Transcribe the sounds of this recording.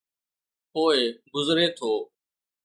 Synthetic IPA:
poːeːɡʊzɾeːt̪ʰoː

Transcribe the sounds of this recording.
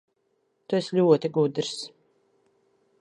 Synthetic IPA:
t̪uɛslʲuɔt̪iɡud̪ɾs

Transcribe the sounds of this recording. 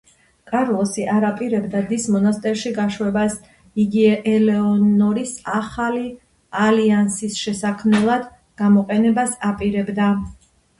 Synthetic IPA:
kʼaɾlˠɔsiʔaɾapʼiɾɛbd̪ad̪ismɔnast̪ʼɛɾʃiɡaʃwɛbas | iɡiɛʔɛlɛɔnɔɾisaχali | aliansisʃɛsakʰmnɛlˠad̪ | ɡ̥amɔqʼɛnɛbasapʼiɾɛbd̪a

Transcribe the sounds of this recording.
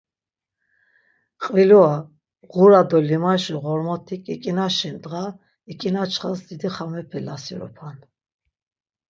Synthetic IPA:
qʼvilɔa | ʁuɾad̪ɔlimaʃiʁɔɾmɔt̪ʰikʼikʼinaʃind̪ʁa | ikʼinat͡ʃʰχasd̪id̪iχamɛpʰɛlasiɾɔ̰pʰan

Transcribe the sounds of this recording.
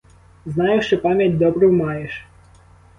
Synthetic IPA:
znɑjʊʃt͡ʃɔpɑmʲjɐtʲd̪ɔbɾʊwmɑjeʃ

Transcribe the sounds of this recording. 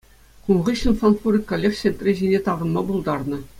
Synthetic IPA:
kunʁiɕɘnfɑnfurʲikːŏlʲːekɕenʲt̪rʲiʑinʲet̪ɑʁɤ̆nmɑbulˠd̪ɑrnɤ̆

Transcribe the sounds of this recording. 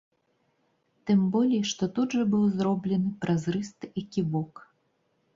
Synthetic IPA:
t̪ɨmbɔlʲijʂt̪ɔt̪ud̪ʐɐbɨwzɾɔblʲɛnɨpɾʔɐzrɨst̪ɨjakʲibɔk

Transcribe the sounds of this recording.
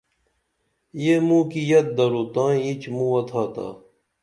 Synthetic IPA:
jeːmũːkijɐt̪̚d̪ɐɾoːt̪ãːit͡ɕmũɐt̪ʰaːt̪a̰ː

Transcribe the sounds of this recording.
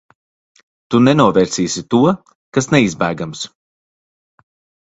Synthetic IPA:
t̪unɛnuɔvɛːɾsiːsit̪uɔ | kasnɛizbæːɡams

